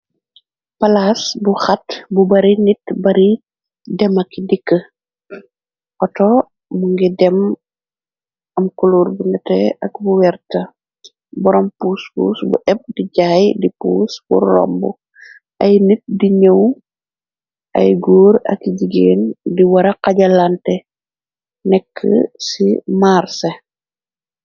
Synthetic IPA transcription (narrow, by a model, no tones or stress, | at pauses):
pɐlaːsbuxɐtbubɐɾinitbɐɾi | dɛmɐkːidikːə | ʔɔtɔ | muŋɡɛdɛm | ɐmkuluːɾbunɛtɛʔɐk̚buwɛrtɐ | bɔɾɔmpuːspṵːsbṵʔɛp̚diɟaːjdipṵːsb̥ṵɾɔ̰mbu | ʔɐjnit̚diɲəw | ʔɐ̰jɡoːɾɐ̰kiɟiɡeːndiwɐɾɐqɐɟɐlantɛ | nɛkʰːə̰simaːrse